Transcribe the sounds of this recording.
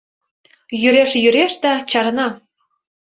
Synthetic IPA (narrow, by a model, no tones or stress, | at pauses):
jyɾeʃjyɾeʃd̪ɑt͡ɕɑɾnɑ